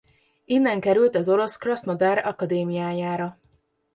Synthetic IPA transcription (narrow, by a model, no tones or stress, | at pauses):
inːɛŋkɛɾylt̪ɛzo̞ɾo̞skrɒsnɒd̪aːɾɒ̰kɒd̪eːmijaːjaːɾɒ